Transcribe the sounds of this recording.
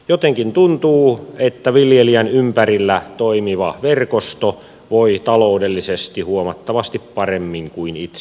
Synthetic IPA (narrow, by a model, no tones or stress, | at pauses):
jot̪eŋkint̪unt̪uːet̪ːæʋiljeliænympærilːæt̪oimiʋɑʋerkost̪o | ʋoit̪ɑloudelːisest̪ihuomɑt̪ːɑʋɑst̪ippɑremːiŋkuinit̪s